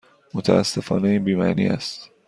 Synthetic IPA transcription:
mot̪ʰæ̰æ̰sːe̞fɒ̰ːneibiːmæ̰ːnḭːʔæ̰st̪

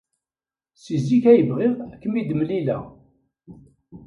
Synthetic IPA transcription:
sizikæjəvʁɪʁækːəmid̪əmlilæ̰

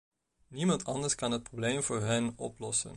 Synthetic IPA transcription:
nimɑntʰɑndəɹskɑnɦət̚probleːmvʊːɹɦənɔ̰plɔsə̰n

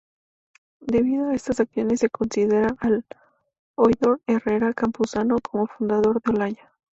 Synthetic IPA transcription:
d̪e̞βiðoae̞st̪asakθjo̞ne̞sːe̞ko̞nsiðe̞ɾaʔal | ojðo̞ɾe̞re̞ɾakampusano̞kʰo̞mo̞fund̪að̞o̞ɾðeolaɲa

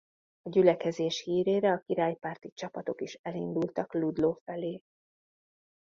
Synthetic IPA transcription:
ɒɟylɛkɛzeːʃhiːɾeːɾɛɒkiɾaːjpaːrt̪it͡ʃɒpɒt̪o̞kiʃɛlind̪ult̪ɒklud̪loːfɛleː

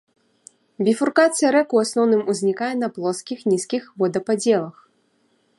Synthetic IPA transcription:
bʲifurkat̪sɨɐɾɛkuasnɔwnɨmuzʲnʲikajɛnɐplˠɔskʲixnʲiskʲixvɔd̪ɐpad͡zʲɛlˠɐx

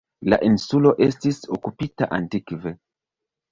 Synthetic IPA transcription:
la̰ʔinsulo̞ʔe̞stiso̞kupitaʔantikve

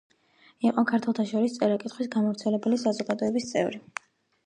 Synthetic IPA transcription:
iqʼɔkʰaɾt̪ʰwɛlˠt̪ʰaʃɔɾist̪sʼɛɾakʼit̪χwisɡamɔvɾt̪sʰɛlɛbɛlisazɔɡad̪ɔɛbist̪sʼɛ̰vɾi

